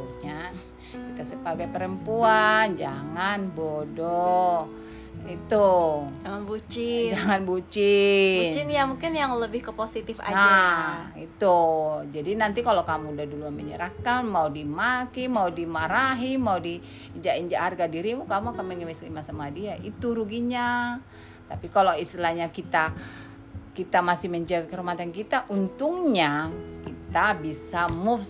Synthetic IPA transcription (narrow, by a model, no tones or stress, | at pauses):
uɲa | kit̪asəbaɡajpəɾəmpuand͡ʒaŋanbodɔ | it̪ud͡ʒaŋanbut͡ʃɪd͡ʒaŋanbut͡ʃɪnt͡ʃɪnjamuŋkɪnjaŋləbɪhkəposit̪ɪfa̰aa | it̪ud͡ʒadinant̪ikalokamuudahduluaməɲə̰ɾakanmaudimakimaudimaɾaɦimaudiː | ɲd͡ʒaʔiɲd͡ʒaʔharɡadiɾimukamuakanməŋəwɛslimasamadiaʔit̪uɾuɡiɲa | t̪apikaloist̪ilahɲakit̪a | kit̪amasɪhməɲd͡ʒaɡakəɾumat̪ankit̪aʔunt̪ʊŋɲakit̪abisamʊf